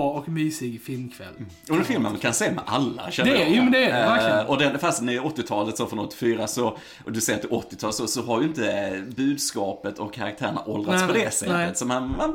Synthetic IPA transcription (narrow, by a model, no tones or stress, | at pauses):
ɔkmyːsɪɡfɪlmkʰvɛ̰lː | ʊɛnfɪlmə̰nmankʰanseːmɛ̰ʔalːa̰ʃɛnd̪ɛəjuːmɛnd̪ɛæɔd̪ɛnfast̪næɾjɔt̪ːɪt̪ʰɑːlət̪sofɾɔnɔt̪ːɪ̥fyːɾasɔ | d̪ɵsɛjɾt̪ʰɪɔt̪ːɪt̪ʰɑːlsɔsɔɦaɾjʏɪnt̪əbʉ̟ːd̪skɑːpət̪ʰɔkʰːaɾakt̪ʰæːɾəɳa̰ʔɔld̪ɾaspɔd̪ɛsɛ̰t̪ːət̪sɔmhanan